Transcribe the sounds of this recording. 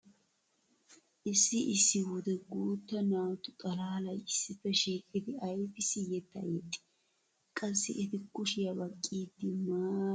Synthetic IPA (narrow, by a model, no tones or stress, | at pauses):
ʔɪsːɪʔɪsːɪwʊd̪ɛɡuːt̪ːɐnaːwt̪ʊt̪ʼɐlaːlɐjɪsːɪfːɛʃiːkʼːɪd̪ɪɐjfɪsɪjɛt̪ːɐ̰jɛt̪ʼːɪ̥ | kʼɐsːɪ̰ʔɪt̪ɪkʊʃɪjɐbɐkʼːiːd̪ːɪmaː